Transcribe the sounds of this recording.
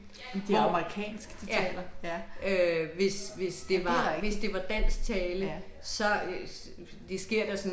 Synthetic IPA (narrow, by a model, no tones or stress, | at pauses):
d̥eɑməʁikʰɛ̰ːnsɡ̥d̥ijɛ̰ːlɐøʋe̝sʋe̝sd̥e̝ʋɑʋe̝sd̥e̝ʋɑ̈d̥æn̰sɡ̥̚t͡sʰɛːləsɒ̽ | d̥esɡ̥e̝ɐ̰d̥æsɔn